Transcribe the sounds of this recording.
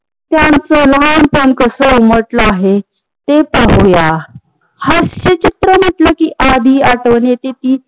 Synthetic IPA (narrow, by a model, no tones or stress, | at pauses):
t̪jãnt͡səlapəɳkəsəuməʈləaɦe | t̪epaɦja | həsɕet͡ɕit̪ɾəm̤əʈləkiːʔad̪ʱiːaʈəʋɳet̪et̪iː